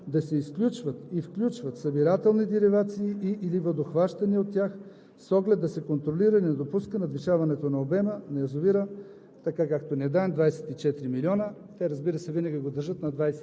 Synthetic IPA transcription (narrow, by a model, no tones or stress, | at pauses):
d̪ɐsɛisklʲut͡ʃvət̪ifklʲut͡ʃvɐt̪sɐbiɾat̪ɛlˠnid̪iɾivat̪siːʔiʔilivəd̪oxvaʃt̪ɐniot̪ːʲjax | sɔɡlɛt̪̚d̪ɐsɛkont̪ɾoliɾənɛd̪opuskənɐd̪viʃavɐnɛt̪onɐobɛmənɐjɐzoviɾə | t̪ɐkakak̚t̪onɛd̪aɛmd̪vajsɛ̥t̪it͡ʃɛt̪ɾimilʲiɔnə | t̪ɛɾɐzbiɾəsɛvinɐɡʲiɡod̪əɾʒɤt̪nɐd̪vajsɛ